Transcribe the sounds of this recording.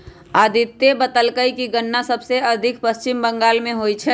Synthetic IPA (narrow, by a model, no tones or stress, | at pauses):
aːd̪ʱɪt̪ːebət̪əlkəikiɡənːasəbseɐd̪ʱɪkpəst͡ʃɪmbə̃ŋɡaːlmẽɦoːit͡ʃʰɛː